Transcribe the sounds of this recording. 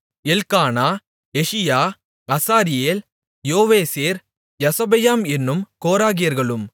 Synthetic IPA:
ɛlkaːnaː | ɛʂɪjaː | ɐsaːɾɪjeːl | joːʋeːseːɾ | jɐsɐbɐjaːmɛnːɯmkoːɾaːɣɪjɐɾɣɐɭɯm

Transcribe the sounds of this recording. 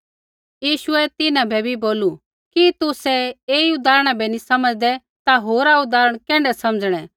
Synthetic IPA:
jiːʃʊɛt̪ɪnãbʱɛbʱiboːlu | kit̪ʊsɛeːiʊd̪aːɾəɽ̃abɛnisɐməd͡zd̪ɛ | t̪aɦoːɾaʊd̪aːɾəɽ̃kɛ̃ːɳɖɛsɐməd͡zɽ̃ɛ

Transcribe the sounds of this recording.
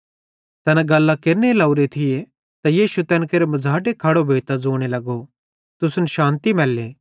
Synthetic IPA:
t̪ɛnaɡɐlːakeɾnelɐʊɾet̪ʰɪje | t̪ajiːʃut̪ɛ̃ːnkeɾemɐd͡zʱaːʈekʰɐɽobʱeːt̪ad͡zoːɽ̃elɐɡo | t̪ʊsʊnəʃãːnt̪imɛːlːeː

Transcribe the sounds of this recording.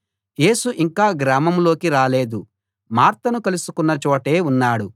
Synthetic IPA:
je̞ːsuʔiŋkaːɡɾaːmɐmlo̞ːkiɾaːle̞ːd̪u | maːɾt̪ɐnukɐlusukunːɐt͡ʃɔːʈe̞ːunːaːɽu

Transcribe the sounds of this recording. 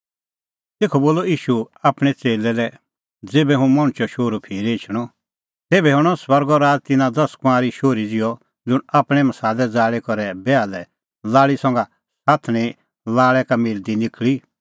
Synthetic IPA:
t̪eːkʰɔboːlɔiːʃu | aːpɽ̃ɛt͡seːlɛlɛ | d͡zeːbɛɦũmɔ̃ɽ̃t͡ʃɔʃoːɾupʰiːɾeːt͡ʃʰɽ̃ɔ | t̪eːbɛɦɔ̃ɔswɐɾɡɔɾaːd͡zt̪ɪnãd̪ɐskãːɾiʃoːɾid͡zɪjɔ | d͡zʊɽaːpɽ̃ɛmɐsaːdɛd͡zaːɭɛkɔɾɛbɛalɛ | laːɭisɔ̃ŋɡa | saːt̪ʰɽ̃ĩ | laːɭɛkamɪld̪inɪkɭi

